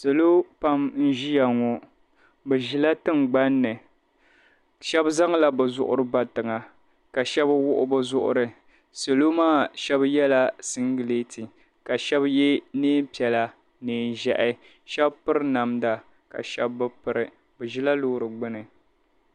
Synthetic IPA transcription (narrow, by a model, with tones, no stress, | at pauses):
sɨ˨lo˦pa˦mn̩˦ʒi˦ja˨ŋɔ˨ | bɛ˨ʒi˦la˦tɨ˦ŋɡ͡ba˦nːɨ˨ | ʃɛ˦bza˦ŋ˦la˨bɨ˨zʊ̰˦˨ʔʊ̰˦ɾɨ˦ba˨tɨ˨ŋa˨ | ka˨ʃɛ˦bwʊ˦ʔʊ̰˦bɨ˦zʊ˦ʔʊ̰˦ɾɨ˨ | sɨ˨lo˦maː˦˨ʃɛ˦bjɛ˦la˨sɨ˦ŋ˦ɡɨ˨le˦tʰi˨ | ka˨ʃɛ˦bjɛ˦neː˦pi˨ɛ˨la˨ | nɨː˨n˨ʒɛ˨ʔɪ˦ | ʃɛ˦bpɨ˦ɾɨ˦na˨mda˨ | ka̰˨ʃɛ˦bːɨ˦pɨ˨ɾɨ˨ | bɛ˨ʒi˦la˦lʊ˦˨ɾɨ˨ɡ͡bɨ˦nɨ˨